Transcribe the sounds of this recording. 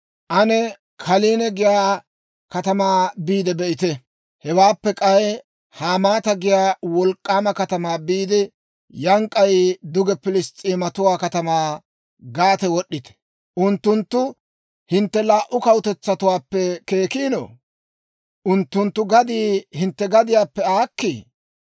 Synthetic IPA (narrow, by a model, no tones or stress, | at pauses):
ʔɐnɛ | kʰɐliːnɛɡɪjaː | kɐt̪ɐmaːbiːd̪ɛbɛʔɪt̪ɛ | hɛwaːpːɛkʼɐɛ | haːmaːt̪ɐɡɪjaːwɔlkʼːaːmɐkɐt̪ɐmaːbiːd̪ɪ | jɐŋkʼːɐjd̪ʊɡɛpɪlɪst̪ʼiːmɐt̪ʊwaːkɐt̪ɐmaː | ɡaːt̪ɛwɔɗːɪt̪ɛ̥ | ʔʊnt̪ːʊnt̪ːʊ | hɪnt̪ːɛlaːʔʊkɐwt̪ɛt͡sːɐt̪ʊwaːpːɛke̞ːkiːno̰ː | ʔʊnt̪ːʊnt̪ːʊɡɐd̪iːhɪnt̪ːɛɡɐd̪ɪjaːpːɛaːkːi